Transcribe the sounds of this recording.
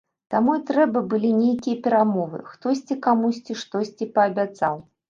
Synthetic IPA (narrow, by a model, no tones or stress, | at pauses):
t̪amuit̪ɾɛbɐbɨlʲinʲejkʲijɐpʲɛɾamɔvɨ̰xt̪ɔsʲt͡sʲikamusʲt͡sʲiʂt̪ɔsʲt͡sʲipɐːbʲat̪saw